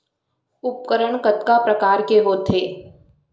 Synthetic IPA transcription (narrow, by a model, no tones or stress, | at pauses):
ʊp̚kəɾəɳ̃kət̪kapɾəkaːɾkeɦoːt̪ʰeː